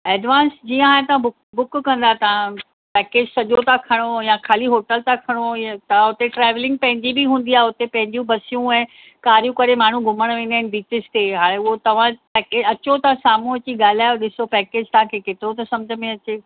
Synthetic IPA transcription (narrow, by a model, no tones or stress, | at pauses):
ɛːɖʋãːnsd͡ʑiːə̃aːɦẽt̪ɐʋ̤ãbʊkbʊkkɐ̃nd̪aɦet̪ɐʋ̤ã | pɛːkeːd͡ʑsɐʄot̪ãkʰɐɽ̃ojãkʰaːliɦoːʈəlt̪ãkʰɐɽ̃ojt̪ɐ̤ãʊt̪eʈɾɛːʋlɪ̃ŋɡ̚pɐ̃ɦɪ̃ɲd͡ʑibiɦũːnd̪iaːɦeʊt̪epɐ̃ɦɪ̃ɲd͡ʑũbɐsijũɛ̃ː | kaːɾijũkɐɾemaːɳ̤ũɡʱʊməɽ̃ʋẽːnd̪aɦɪnɪ̆biːt͡ɕɪst̪eɦaːɽ̃ẽʊɦot̪ɐʋ̤ãpɛːkeːɐt͡ɕot̪ɐãsaːmũɐt͡ɕiɠaːl̤iaːjoɗɪsopɛːkeːd͡ʑt̪ɐɦãkʰekeːt̪ɪɾot̪ɐsɐ̃md͡ʑʱəmẽɐt͡ɕeː